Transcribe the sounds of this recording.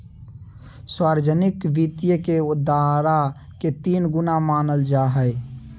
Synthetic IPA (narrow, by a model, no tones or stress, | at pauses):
swaːɾd͡ʒənɪkʋit̪jəkeʊd̪aɾa | ket̪iːnɡʊnamaːnəld͡ʒaɦə